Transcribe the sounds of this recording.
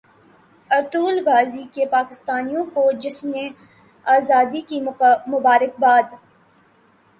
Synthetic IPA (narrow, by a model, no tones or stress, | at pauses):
ɐɾt̪uːlɣaːzikepaːkɪst̪aːnijõkod͡ʒɪsmnẽ | aːzaːd̪ikimʊbaːɾɪk̚baːd̪